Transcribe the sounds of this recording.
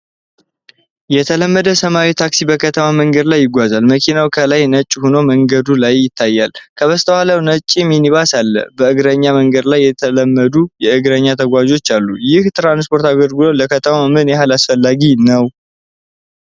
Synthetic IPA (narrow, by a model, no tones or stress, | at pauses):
jɛt̪ʰələmːəd̪əsəmawit̪ʰaksibəkʰət̪ʰəmaməŋɡəd̪lajːɪɡʷazalməkʰinawkʰəlajnət͡ʃʼːhunoməŋɡəd̪ulajːɪt̪ʰːajːalkʰəβəst̪ʰəwaləwnət͡ʃʼːiminiβasalːə̰bəɨɡɾəɲːaməŋɡəd̪lajːɛt̪ʰələmːəd̪ujɛɨɡɾəɲːat̪ʰəɡʷad͡ʒo̞t͡ʃːalːujɪht̪ɾanspo̞ɾt̪aɡəɾɡɨloləkət̪ʰəmamɨnjɛhalasfəlːaɡinəw